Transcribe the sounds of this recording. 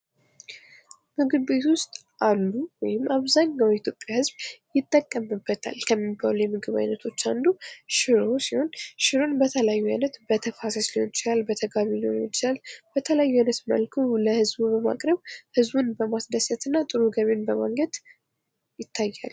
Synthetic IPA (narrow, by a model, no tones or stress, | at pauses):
mɨɡɨbe̞t̪wʊst̪ʼ | ʔalːuwɔjɪmːaβzaɲːawit̪ʰjopʼjahɨzbjɪt̪ʼːəkʼːəmɨbːət̪ʰa̰lkʰəmːibalujɛmɨɡɨβa̰jnət̪ʰo̞t͡ʃːand̪uʃɪɾo̞siho̞nʃɪɾo̞nbət̪ʰəljajːuajnət̪bət̪ʰəfasəsliho̞nt͡ʃɪlalbət̪ʰəɡaβinoont͡ʃɪlalb̥ət̪ʰəlajːuajnət̪mə̰lkʰəwləhɨzbubəma̰kʼɾəβhɨzbunbəmasd̪əsət̪ɨnːat̪ʼɨɾuɡəβenbəma̰ŋɡəd̪ | jɪt̪ʰːajːa̰l